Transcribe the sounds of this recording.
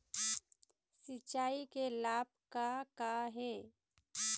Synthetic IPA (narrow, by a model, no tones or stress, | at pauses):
sɪt͡ʃːaːikelaːb̚kakaɦɛː